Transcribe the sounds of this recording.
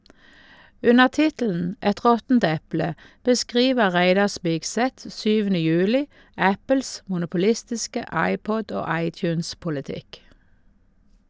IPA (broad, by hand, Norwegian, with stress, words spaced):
ˈʉnəʁ ˈtɪtl̩n̩ ˈɛt ˈʁɔtn̩t ˈɛplə bəˈskʁiːʋə ˈʁæɪdɑ ˈspɪɡˌsɛt ˈsyːʋənə ˈjʉːlɪ ˈæpəls mʊnʊpʊˈlɪstɪskə ˈɑɪˌpɔd ˈoː ˈɑɪˌtjʉːnspʊləˌtɪk